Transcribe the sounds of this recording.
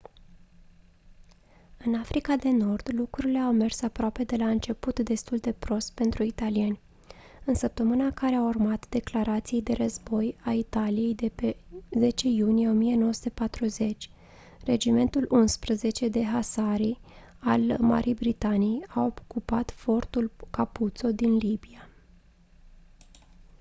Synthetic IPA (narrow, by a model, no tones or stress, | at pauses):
ɨnafɾikad̪e̞no̞rd̪̥lukɾuɾile̞awme̞rsapɾoape̞d̪e̞laɨnt͡ʃe̞put̪d̪e̞st̪uld̪e̞pɾo̞st̪pe̞nt̪ɾuit̪alienʲ | ɨnsəp̚t̪əmɨnakaɾeawurmat̪d̪e̞klaɾat̪sijejd̪e̞ɾəzbo̞jait̪alije̞jd̪e̞pe̞ze̞t͡ʃe̞junijeo̞mije̞no̞wəsu̥t̪epat̪ɾuze̞t͡ʃʲ | re̞d͡ʒime̞nt̪ulʔunspɾəze̞t͡ʃe̞d̪e̞ɦasaɾi | alma̰ɾʔijbɾit̪aniejaokupat̪fo̞rt̪ulkaput̪so̞d̪inlibia